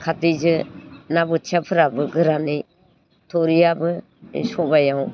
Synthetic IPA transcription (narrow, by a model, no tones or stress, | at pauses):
kʰatid͡ʒɯnabɯtʰapʰɯɾabɯɡɯɾanij | tʰɔɾijabɯ | ḭsɔbajaw